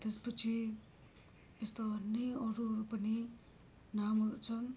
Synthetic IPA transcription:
t̪espʌt͡sʰi | est̪ʌbʱʌnːeʌɾuɾupʌni | namɦuut͡sʰʌ

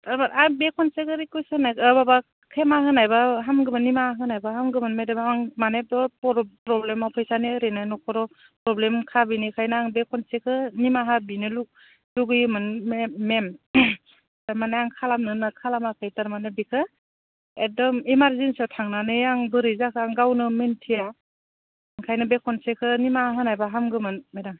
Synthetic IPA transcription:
taɾmaɾaŋbekʰɔnsekʰɯɾikujsɯnajkbaba | kʰemaɦɯnajbaɦamɡɯmɯnːimaɦɯnajbahamɡɯmɯnmedebaaŋmanep̚dɔpɔpɾɔblemɔpʰɯjsaniɯɾɯnɯnɔkʰɔɾɔ | pɾɔblemkʰabinikʰajnaaŋbekʰɔnsekʰɯnimaɦabiniluk̚ | luɡɯjɯmɯnmːem | taɾmaneaŋkʰalamnɯnɯkʰalamakʰɯjtaɾmanebikʰɯ | edɔmimaɾzinsɔtʰaŋnanɯjaŋbɯɾɯzakʰɯaŋɡawnɯmɯntʰija | ŋkʰajnɯbekʰɔnsekʰɯnimahaɦɯnajbaɦamɡɯmɯnmajdaŋ

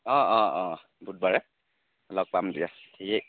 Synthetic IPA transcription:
ɔɔɔ | bʱud̚baɹɛ | lɔk̚pamdijatʰie

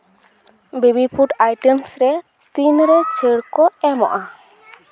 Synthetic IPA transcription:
bibipʰuʈajʈəmsɾɛ | t̪inɾɛt͡ʃʰəɽkɔɛmɔ̰ʔa

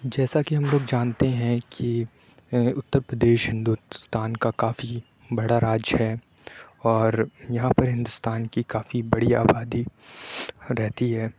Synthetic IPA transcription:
d͡ʒɛːsakiɦɐmloːkd͡ʒaːnt̪eɦɛ̃kʰi | ʊt̪ːəɾpɾəd̪eːʃɦɪ̃nd̪ust̪aːnkakaːfi | bɐɽaɾaːd͡ʒɦɛ | ɔːɾjɐɦãpɐɾɦɪ̃nd̪ʊst̪aːnkikaːfibɐɽia̰ːbaːd̪i | ɾɛɦt̪iɦɛː

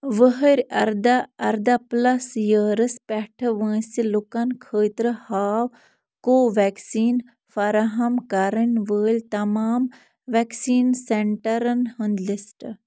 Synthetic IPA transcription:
ʋəɦəɾʲɐɾd̪aɐɾd̪aplɐsjəːɾɨspɛʈʰɨʋə̃ːsilukɐnkʰəːt̪ɾɨhaːw | koːʋɛːksiːn | fɐɾaɦɐmkɐɾənʲʋəːlʲt̪ɐmaːm | ʋɛːksiːnseɳʈɐɾɐnɦənd̪lisʈ

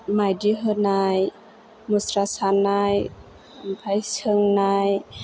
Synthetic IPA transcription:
majdiɦɯnaj | musɾasanːaj | mpʰajsɯŋnaj

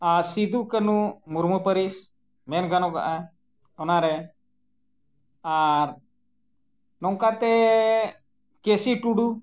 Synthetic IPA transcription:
aɾsid̪ukənumuɾmupəɾis | mɛnɡanɔɡa̰ʔa | ɔnaɾɛ | aɾ | nɔŋkat̪ɛ | kɛsiʈuɽu

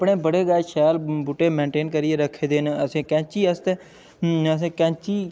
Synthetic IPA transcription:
əpɳeːbəɽeːɡaːʃɛːlbʊʈeːmẽːɳʈeːnkəɾɪjeɾəkʰːeːd̪eːnəsẽːkɛ̃ːt͡ʃiːəst̪e | əs̬ẽːkɛ̃ːnt͡ʃiː

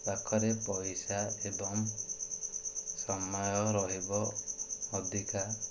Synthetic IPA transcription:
bakʰɔɾepɔjsaebɔŋ | sɔmɔjɔɾɔɦibɔː | d̪ʱika

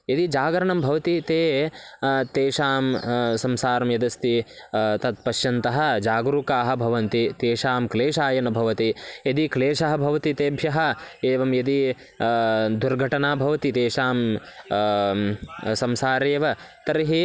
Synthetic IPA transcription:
jɐd̪id͡ʒaːɡɐɾɐɳɐmbʱɐʋɐt̪it̪eː | t̪eːʃaːmsɐmsaːɾɐmjɐd̪ɐst̪it̪ɐt̪̚pɐʃjɐnt̪ɐɦɐ̆d͡ʒaːɡɾukaːɦɐ̆bʱɐʋɐnt̪it̪eːʃaːmkleːʂaːjɐnɐbʱɐʋɐt̪ijɐd̪ikleːʂɐɦɐ̆bʱɐʋɐt̪it̪eːbʱjɐɦɐ̆eːʋɐmjɐd̪i | d̪uɾɡʱɐʈɐnaːbʱɐʋɐt̪it̪eːʂaːm | sɐmsaːɾeːʋɐt̪ɐɾɐɦi

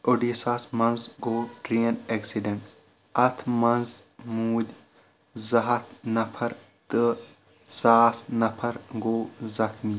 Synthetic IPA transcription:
oɖisaːsmɐnzɡoːɖɾeːneksiɖeɳʈ | ɐt̪ʰmɐnzmuːd̪ʲ | zɐɦɐt̪nɐpʰɐɾ | t̪ɨ | saːsnɐpʰɐɾɡoːzɐkmi

